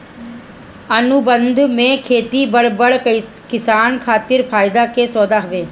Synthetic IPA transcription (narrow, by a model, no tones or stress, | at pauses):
ənubə̃nd̪ʱmẽːkʰeːt̪iːbəɽbəɽkɪsaːnkʰaːt̪ɪɾpʰaːɪd̪aːkeːsɔːd̪aːɦʊʋeː